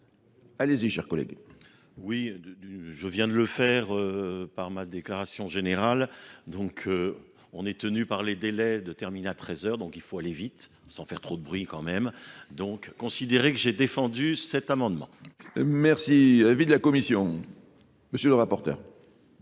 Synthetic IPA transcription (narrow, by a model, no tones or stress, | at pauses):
aleziʃɛʁkɔlɛ̰ɡ | wi | ʒəvjɛ̃d̪ələfɛʁøpaʁmad̪eklaʁasjɔ̃ʒeneʁald̪ɔ̃kʰø | ɔ̃nɛt̪ənypaʁled̪elɛd̪ət̪ɛʁmineat̪χɛzœʁd̪ɔ̃kilfoalevit̪ | sɑ̃fɛʁt̪χod̪əbʁɥikɑ̃mɛmd̪ɔ̃kːɔ̃sid̪eʁekəʒed̪efɑ̃d̪ysɛt̪amɑ̃d̪mɑ̰̃mɛʁsiavid̪əlakɔmisjɔ̃ | məsjələʁapɔʁt̪œ̰ːʁ